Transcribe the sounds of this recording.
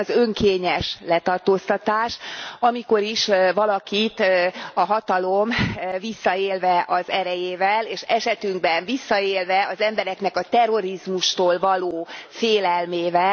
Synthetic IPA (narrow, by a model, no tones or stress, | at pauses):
zøŋkeːɲɛʃlɛt̪ɒrt̪oːst̪ɒt̪aːʃɒmiko̞ɾiʃvɒlɒkit̪ɒɦɒt̪ɒlo̞mvisːɒeːlvɛʔɒzɛɾɛjeːvɛleːʃɛʃɛt̪yŋɡ̚bɛɱvisːɒeːlvɛɒzɛmbɛɾɛknɛkɒt̪ɛro̞ɾizmuʃt̪oːlvɒloːfeːlɛlmeːvɛ